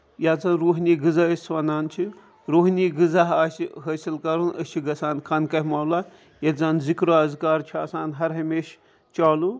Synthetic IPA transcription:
jat͡sanɾoːɦnʲiɡɨzaesʋɐnaːnt͡ʃʰi | ɾoːɦnʲiɡɨzaɦaːsiɦəsilkɐɾunɐ̰st͡ʃʰiɡɐsaːnkʰɐnkɐɦmɐːwla | jɐzanzikɾoaːzikaːɾt͡ʃʰiaːsaːnɦɐɾɦɐmeːʃ | t͡ʃaːlu

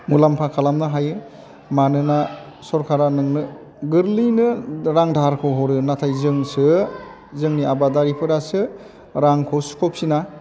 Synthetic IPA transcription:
mulampʰakʰalamnɯɦajɯ | manɯna | sɔɾkʰaɾanɯŋnɯ | ɡɯɾlɯjnɯɾaŋdʱaɾkʰɔɦɔɾɯnatʰajzɯŋsɯ | zɯŋniabadaɾipʰɯɾasɯ | ɾaŋkʰɔsu̥kʰɔp̚sina

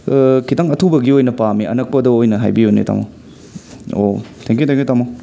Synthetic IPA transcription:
kʰitaŋɐtʰubɐɡiojnɐpamiɐnɐk̚pɐdɐojnɐɦa̰jbijonḛta̰mo̰w | o̰tʰɛŋkjutʰɛ̃ŋkjutamo

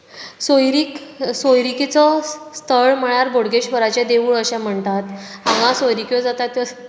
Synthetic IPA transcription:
sojɾiksojɾikit͡sɔst̪ʰəɭm̤əɭ̃aɾbʱoɽɡeɕbəɾat͡ɕed̪eʋuːɭəɕãm̤əɳt̪at̪hãɡãsojɾikjɔd͡zat̪at̪jɔ

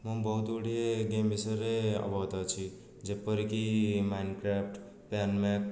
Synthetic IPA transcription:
mʌbʌɦut̪uɽieɡembisʌɾeʌ̰bʱʌɦt̪at͡sʰi | d͡zepːʌɾikimajnkɾapʰʈ | pjanmak̚

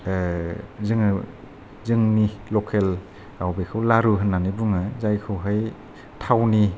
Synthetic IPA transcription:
zɯŋɯ | zɯŋnilɔkʰel | awbekʰɯwlaɾuɦɯnːanibuŋɯzajkʰɯwɦaj | tʰawni

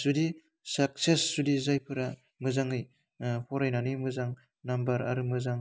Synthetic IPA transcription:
sudi | sak̚sesːudizajpʰɯɾa | mɯzaŋɯj | pʰɔɾajnanimɯzaŋ | nambɐɾa̰ɾɯmɯzaŋ

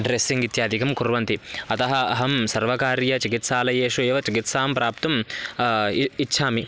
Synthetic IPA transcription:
ɖɾesiŋɡit̪jaːd̪ʱikɐmkuɾʋɐnt̪iɐt̪ɐɦɐɐɦɐmsɐɾʋɐkaːɾjɐt͡ʃikit̪saːlɐjeːʂueːʋɐt͡ʃikit̪saːmpɾaːpt̪ɐm | tːʃʰaːmi

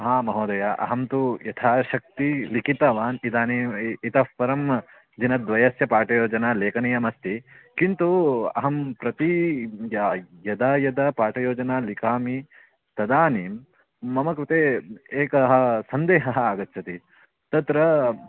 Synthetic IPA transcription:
ɐɦaːmɐɦoːd̪ɐjaʔɐ̰ɦɐmt̪ujɐt̪ʰaːʃɐk̚t̪ilikit̪ɐʋaːnid̪aːniːit̪ɐfpɐɾɐm | d͡ʒinɐd̪ʋɐjɐsjɐpaːʈɐjoːd͡ʒɐnaːleːkɐnijɐmɐst̪ikint̪uɐ̰ɦɐmpɾɐt̪ijɐjɐd̪aːjɐd̪ɐpaːʈɐjoːd͡ʒɐnaːlikaːmi | t̪ɐd̪aːniːm | mɐmɐkɾit̪eːeːkɐɦɐ̆sɐnd̪eːɦɐɦɐaːɡɐt̪ːt͡ʃʰɐt̪i | t̪ɐt̪ɾɐ

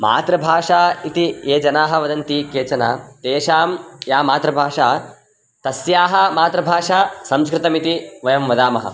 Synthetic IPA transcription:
ma̰ːt̪ɾɐbʱaːʂaːit̪ieːd͡ʒɐnaːɦɐ̆ʋɐd̪ɐnt̪ikeːt͡ʃɐna̰ːt̪eːʃaːmjaːmaːt̪ɾɐbʱaːʂaː | t̪ɐsjaːɦɐ̆maːt̪ɾɐbʱaːʂaːsɐmskɾɪt̪ɐmit̪iʋɐjɐmʋɐd̪aːmɐɦɐ̰

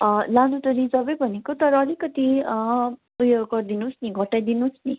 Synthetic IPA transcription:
lanutʌɾid͡zʌbʌjbʱʌnekot̪ʌɾʌːlikʌt̪i | ujoɡɡʌrd̪inusniɡʱʌʈːajd̪inusni

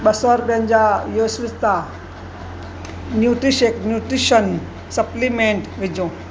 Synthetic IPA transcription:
ɓɐsoːɾbeɦə̃nd͡ʑajoːsʋɪst̪a | njuːʈɾiʃeːknjuːʈɾiʃən | sɐplimẽːɳʈʋɪd͡ʑõː

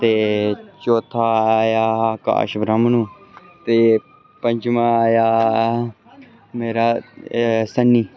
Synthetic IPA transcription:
t̪et͡ʃoːt̪ʰaːjaka̰ːʃbɾamnũ | t̪e | pə̃ɲd͡ʒmãːja | meːɾaː | sɐnːiː

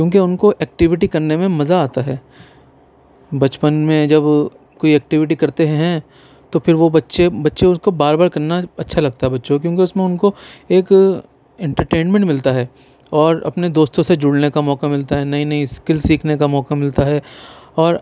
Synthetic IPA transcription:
kjõːk̬eʊnkoʔɛːk̚ʈɪʋɪʈikɐɾnemẽmɐzaaːt̪aɦɛː | bɐt͡ʃpənmẽd͡ʒɐb | koːiɛːk̚ʈɪʋɪʈ̬ikɐɾt̪eɦɛɦɛ̃ | t̪opʰɪɾʋobɐtːʃebɐtːʃeʊskobaːɾbaːɾkɐɾnaɐtːʃʰalɐɡ̚t̪aɦɛbɐtːʃok̬jõːk̬eʊsmẽʊnkoeːk | ɛ̃ɳʈəɾʈeːnmɛ̃ɳʈmɪlt̪aɦɛː | ɔːɾɐ̰pned̪oːst̪õsed͡ʒʊɽnekamɔːkamɪlt̪aɦɛnɐɦĩnɐɦĩskɪlsiːkʰnekamɔːkamɪlt̪aɦɛːɔːɾ

